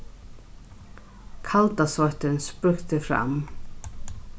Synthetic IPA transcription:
kʰalt̪asvɔht̪ɪnspɾʏxt̪ɪfɾa̰m

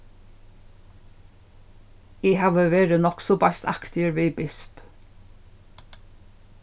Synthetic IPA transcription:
ehɑːʋəʋeːɹənɔksɔbɑst̪ɑ̰kt̪ɪəɾʋiːbɪsp

